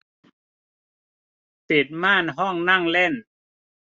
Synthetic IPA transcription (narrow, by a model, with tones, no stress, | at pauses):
pe˨˩t̪̚maː˥˨nɦɔ˥˩ŋna˥˩˨ŋlɛ˥˩˨n